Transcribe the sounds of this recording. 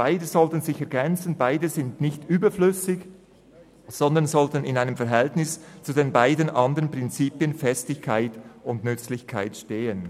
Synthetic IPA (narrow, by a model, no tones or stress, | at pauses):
b̥aɪdəzɔltənzɪçɛɐɡɛnt͡sənbaɪdəzɪndnɪçtʔyːbɐflʏsɪç | z̥ɔndənzɔltənɪnaɪnəmfɛɐɦɛltnɪst͡sudenbaɪdənʔɑndəʁənpʁ̥ɪnt͡siːpiənfɛstɪçkʰaɪtʊndnʏt͡slɪçkʰa̰ɪtʃteːən